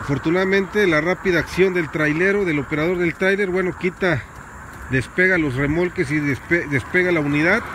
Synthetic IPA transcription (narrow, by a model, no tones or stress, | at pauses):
afo̞ɾt̪unaðamẽ̞nt̪e̞larapiðaːksjo̞nd̪e̞lt̪ɾajle̞ɾo̞ðe̞lo̞pe̞ɾaðo̞ɾðe̞lt̪ɾajle̞ɾbwe̞no̞kit̪a | ðe̞spe̞ɣalo̞sre̞mo̞lke̞s̬iespeðe̞spe̞ɣalauniðað